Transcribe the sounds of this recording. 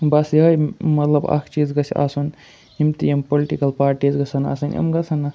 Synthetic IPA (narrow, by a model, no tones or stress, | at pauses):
bɐsjiɦɐjmɐt̪lɐbɐ̰kʰt͡ʃiːzɡɐsʰa̰sun | imt̪ijɐmpoliʈikɐlpaːɾʈiːzɡɐsʰɐna̰ːsɐnɐ̰mɡɐsʰɐnɐ